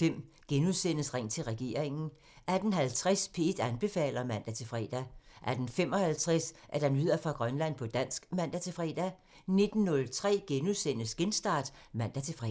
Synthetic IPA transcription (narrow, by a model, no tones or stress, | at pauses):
fem̰ | ɡ̥enuðˠsenəsʁaŋ̰t͡sʰe̝lʁɛɡ̥e̝ːɐ̰eŋn̩ | æd̥n̩ɦælt͡sʰʁɛspʰe̝ed̥ænb̥e̝fɛ̰ːlɐmæn̰d̥æt͡sʰe̝fʁɛ̰ːd̥æʔæd̥n̩fem̰ɒ̽hælt͡sʰʁasʔæɐd̥ænyð̞̰ˠɐfʁɑ̈ɡ̥ʁɶnlæn̰pʰɒ̽d̥æn̰sɡ̥mæn̰d̥æt͡sʰe̝fʁɛ̰ːd̥æ | ne̝d̥n̩ːɔ̽lt͡sʰʁɛ̰ːɡ̥enuðˠsen̰əsɡ̥ensd̥ɑ̈ːd̥mæn̰d̥æt͡sʰe̝fʁɛ̰